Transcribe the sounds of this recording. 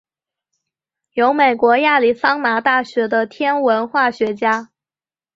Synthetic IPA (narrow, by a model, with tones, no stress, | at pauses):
jo˧˥ʊme˨˩ɪkwɔ˧˥ja˥˩li˨˩sɑ˥ŋna˧˥t̪a˥˩ɕɥɛ˧˥d̪ə˧t̪ʰjɛ˥nwə˧˥nxwa˥˩ɕɥɛ˧˥t͡ɕja˥